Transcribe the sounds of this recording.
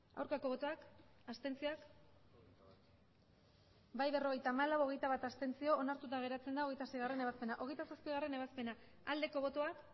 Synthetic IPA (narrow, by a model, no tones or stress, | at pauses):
a̰wɾkako̞β̞o̞t̪o̞ak | ast̪e̞nt͡sioak | bajβe̞ro̞ɣejt̪aːmalawoɣe̞jt̪aβat̪ast̪e̞nt͡sio̞ːnaɾt̪ut̪aɣ̞e̞ɾat͡se̞nd̪aoɣ̞e̞jt̪asejɣare̞neaspe̞naʔo̞ɣe̞jt̪asaspiɣ̞are̞ne̞β̞aspe̞na | ald̪e̞ko̞βo̞t̪o̞ak